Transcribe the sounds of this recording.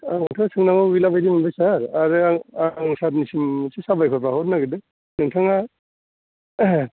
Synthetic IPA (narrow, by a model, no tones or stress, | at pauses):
aŋŋtʰaŋsɯŋnaŋabilabajdimanbajsaɾaɾɯaŋaŋsat̚nisimsʰisabajkʰɔpahɔtnaɡɯdɯ | nɯŋtʰaŋa